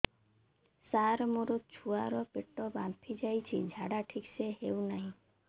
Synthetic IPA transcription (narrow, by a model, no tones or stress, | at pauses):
saɾmoɾɔt͡ʃʰuaɾɔpeʈɔbampʰid͡ʒajt͡ʃʰḭd͡ʒʱaɽaʈʰikseɦewnaɦĩ